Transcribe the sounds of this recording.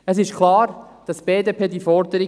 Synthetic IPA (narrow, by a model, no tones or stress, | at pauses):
əs̬ɪʃkʰlɑːɾ | d̥ɑsb̥eːdepʰeːdifɔɾdəɾi